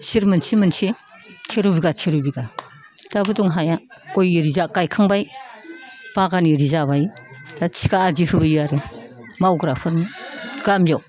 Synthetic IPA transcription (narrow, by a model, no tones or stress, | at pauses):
siɾmɯnsimɯnsi | tʰeɾubiɡatʰeɾubiɡa | d̥abɯduŋɦajakojiɾizakajkʰɯŋbaj | b̥aɡaniɾizabajd̥at͡ʃʰi̥kaad͡ʒihʰɯbɯjiaɾɯ | mawɡɾapʰɯnɡ̥amjɔ